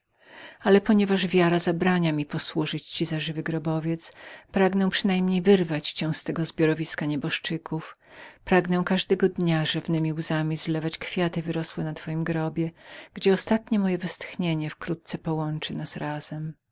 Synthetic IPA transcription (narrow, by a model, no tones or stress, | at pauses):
alɛpɔɲɛvaʐvʲjaɾazabɾaɲamʲipɔswuʐɘt͡ɕt͡ɕizaʐɘvɘɡɾɔbɔvʲjɛt̪spɾaɡnɛw̃pʂɘnajmɲejvɘɾvat͡ɕt͡ɕɛw̃st̪ɛɡɔzbʲjɔɾɔvʲiskaɲɛbɔʂt͡ʂɘkʰuf | pɾaɡnɛ̃kaʐd̪ɛɡɔd̪ɲaʐɛvnɘmʲiwzamʲizlɛvat͡ɕkfʲjat̪ɘvɘɾɔswɛnat̪fɔjimɡɾɔbʲjɛɡ̥d͡ʑɛɔst̪at̪ɲɛmɔjɛvɛst̪xɲeɲɛfkɾut̪̚t̪sɛpɔwɔnt͡ʂɘnasɾaz̥ɛm